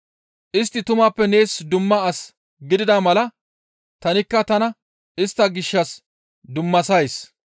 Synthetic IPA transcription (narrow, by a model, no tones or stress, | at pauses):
ʔɪst̪ːɪt̪ʊmaːpːɛne̞ːsd̪ʊmːɐːs | ɡɪd̪ɪd̪amɐlɐ | t̪ɐnɪkːɐt̪ɐnɐ | ɪst̪ːɐɡɪʃːɐs | d̪ʊmːɐsɐjs